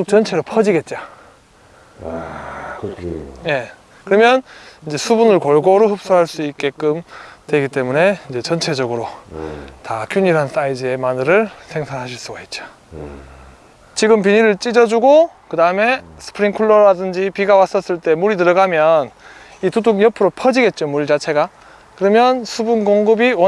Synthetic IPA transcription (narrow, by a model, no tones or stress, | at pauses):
ok̚t͡ɕʌnt͡ɕʰe̞ɾopʰʌd͡ʑiɡe̞t̚t͡ɕ͈a | je̞ | kɯɾʌmjʌnind͡ʑe̞sʰubunɯɭkʌɭɡoɾoɦɯp̚s͈uɦaɭs͈uik͈e̞k͈ɯmtwe̞ɡit͈e̞mune̞ind͡ʑe̞t͡ɕʌnt͡ɕʰe̞d͡ʑʌɡɯɾo | tak͈ʰjuɲiɾɦans͈aid͡ʑɯe̞manɯɾɯɭsʰe̞ŋsʰaɾɦaɕʰiɭs͈uɡait̚t͡ɕ͈o̥ | t͡ɕiɡɯmpiɲiɾɯɭt͡ɕ͈id͡ʑʌd͡ʑuɡokɯdaɯme̞sʰɯ̥pʰɯɾiŋkʰuɭːʌɾadɯnd͡ʑipiɡawas͈ʌs͈ɯɭt͈e̞muɾit̬ɯɾʌɡamjʌn | ituduɡjʌpʰɯɾopʰʌd͡ʑiɡe̞t̚t͡ɕ͈omuɾit͡ɕat͡ɕʰe̞ɡa | kɯɾʌmjʌnsʰubunkoŋɡɯbiwʌ